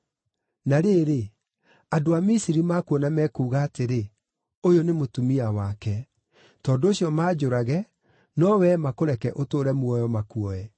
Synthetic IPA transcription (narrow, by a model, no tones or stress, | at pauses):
naɾeːɾe | adoamisiɾimaːkuɔnamɛkuːɣaːteɾe | ojonemotumiawakɛ | tɔːndooɕiɔmaːd͡ʑoɾaɣɛ | nɔwɛmakoɾɛkɛʔotoːɾɛmwɔjɔmakuɔɛ